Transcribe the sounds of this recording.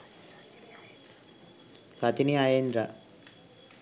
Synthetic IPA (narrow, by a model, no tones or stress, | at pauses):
sat̪iniajend̪ɾa